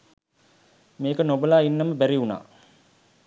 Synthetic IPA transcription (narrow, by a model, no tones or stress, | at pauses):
meːkənobəlaːinːəməbæɾiuna̰ː